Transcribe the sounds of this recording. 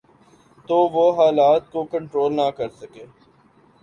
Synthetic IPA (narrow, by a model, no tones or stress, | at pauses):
t̪oːʋoɦaːlaːt̪̚kokə̃ɳʈɾoːlnakɐɾsɐkeː